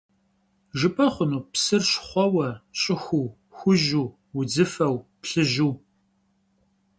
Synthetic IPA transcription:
ʒɨpʼɐχʷʊnuːpsɨrɕχʷɔwɐɕʼɪxʷuː | xʷʊʒuː | wʊd͡zɨfɐwpɬɨʒuː

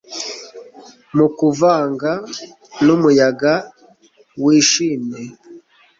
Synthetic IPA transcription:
mukuvaːŋɡa | numujaɡa | wiʃiːne

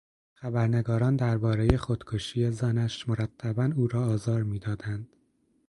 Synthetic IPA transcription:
xæbæɾne̞ɡɒːɾɒːnd̪æɾbɒːɾe̞je̞xod̪̥kʰoʃiːje̞zænæʃmoɾæt̪ʰːæbænuːɾɒːzɒːɾmiːd̪ɒːd̪ænd̪̥

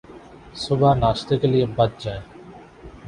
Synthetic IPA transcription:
sʊbʱaːnaːʃt̪ekelijebət̪̚d͡ʒaːeː

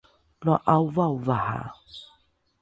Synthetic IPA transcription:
lɔʔauvauvaha̰

